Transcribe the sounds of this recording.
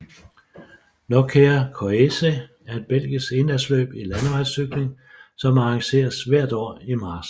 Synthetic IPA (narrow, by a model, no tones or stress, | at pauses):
nɒkʰeɐkʰoese | æɐe̝d̥̚b̥el̰ɡ̥isɡ̥e̝nlæslø̰ːb̥ilænəʋɑd̥syɡ̥le̝ŋ | sɒ̽mɑ̈ɑ̈ŋɕe̝̰ːɐsʋæɐ̰d̥ɒ̰ːimɑ̈ːs